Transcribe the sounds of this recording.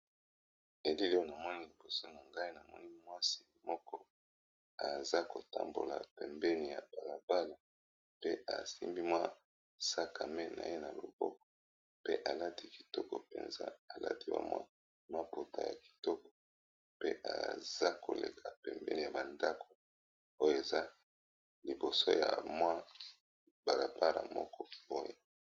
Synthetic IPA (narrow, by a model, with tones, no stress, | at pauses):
e˨li˦li˦o˦na˨mɔ˦ni˦li˨bo˨so˦na˨ŋɡa˦i˦na˨mɔ̰˦ni˦mwa˦si̥˨mɔ˦kɔ˦ | a˨za˦ko˨ta˨mbo˨la̰˨pɛ˨mbɛ˦ni˨ja˨b̥a˨la˨ba˦la˨ | pe˦a̰˨sḭ˦mbi˦mwa˦ | sa˦ka˨me˦na̰˨je˦na˨lo̰˨bɔ˦kɔ̥˨ | pe˦ʔa˨la˦ti˦ki̥˨tɔ˦kɔ˨pḛ˨nza̰˦a˨la̰˦ti˦ba̰˨mwa̰˦ | ma˦po˨tʰa˨ja˨ki̥˨tɔ˦kɔ̥˨ | pe˦ʔa̰˨z̥a˦ko˨le˨kʰa˨pɛ˨mbɛ̰˦ni˨ja˨ba˨nda˦kʰo˨ | o˦jo˨e˨za˦ | li˨bo˨so˦ja̰˨mwa˦ | b̥a˨la˨ba˦la̰˨mɔ˦kɔ˦˨bo˦jo˨